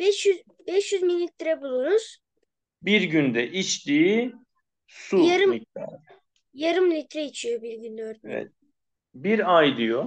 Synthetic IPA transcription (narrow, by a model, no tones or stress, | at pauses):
b̥ɛʃjyz | bɛʃjyzminlʲit̪ɾɛbulˠuɾuz̥ | biɾɟynd̪ɛʔit͡ʃt̪iː | sujaɾɯmilæ̰ɾ | jaɾɯmlʲit̪ʰɾɛit͡ʃʰijobiɾɟynd̪øɾɛvɛ̰t̪̚ | biɾajd̪ɯjo